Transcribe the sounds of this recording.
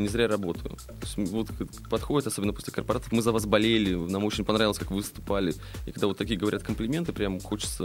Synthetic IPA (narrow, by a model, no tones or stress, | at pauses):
nʲɪzɾʲaɾɐbo̞t̪əjʊ̰oɪsʲtʲvot̪ | pɐt̪xo̞dʲɪt̪ɐso̞bʲnəpo̞sʲlʲɪkərpɐɾat̪əfmɨzɐvasbɐlʲelʲɪnamo̞t͡ɕɪnʲpɐnɾavɪlˠəsʲkakvɨvɨst̪ʊ̥palʲɪ | ɪkɐɡ̚d̪avo̞t̪ːɐkʲijəɡəvɐɾʲat̪kəmplʲɪmʲe̞nt̪ɨpɾʲamxo̞t͡ɕɪ̥t̪sə